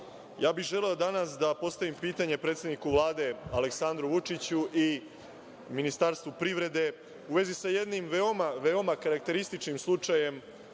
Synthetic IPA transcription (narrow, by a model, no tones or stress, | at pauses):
jaːbixʒe̞leod̪anasd̪apo̞st̪aʋimpiːt̪aɲe̞pɾet̪sʲed̪nikuʋlˠaːd̪e̞ale̞ksand̪ɾuʋut͡ʂit͡ɕuʔi | minist̪aɾst̪ʋupɾiʋɾe̞d̪e̞ | uʋe̞zisaje̞d̪nimʋeo̞maʋe̞omakaɾak̚t̪e̞ɾist̪it͡ʃnimslˠut͡ʂaje̞m